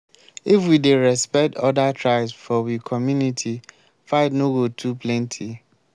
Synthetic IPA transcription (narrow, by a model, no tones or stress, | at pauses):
ifwideɹɛspɛk̚tɔdatʰɹaɪbsfɔwikʰɔmjunitʰi | faɪtnoɡotʰupʰlɛ̃ntʰi